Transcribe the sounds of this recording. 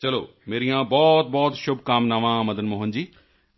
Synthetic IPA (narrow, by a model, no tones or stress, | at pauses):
t͡ɕɐlo̰ː | meːɾijãːbɔːt̪̚bɔːt̪ʃʊbkaːmnaʋãːmɐd̪ənmoːɦənd͡ʑiː